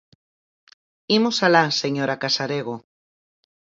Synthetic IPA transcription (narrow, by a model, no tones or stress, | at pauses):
imosalaseɲoɾakasaɾeɣo